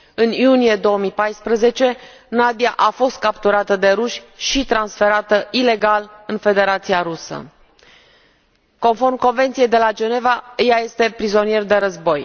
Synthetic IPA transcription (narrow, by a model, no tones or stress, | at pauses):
ɨnjunije̞d̪o̞wəmipajspɾəze̞t͡ʃe̞ | nad̪iaʔafo̞st̪̚kapt̪uɾat̪əd̪e̞ɾuʃʲʃit̪ɾansfe̞ɾat̪əile̞ɡalɨnfe̞d̪e̞ɾat̪siaɾusə̰ | ko̞nfo̞rmko̞nvent̪sije̞jd̪e̞lad͡ʒe̞ne̞vajaje̞st̪e̞pɾizo̞nije̞rd̪e̞ɾəzbo̞j